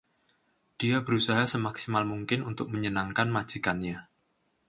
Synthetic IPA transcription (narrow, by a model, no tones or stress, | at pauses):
d̥iabəɾusaɦasəmaksimalmuŋkɪnunt̪ʊk̚məɲənaŋkanmḁd͡ʒ̥ikanɲa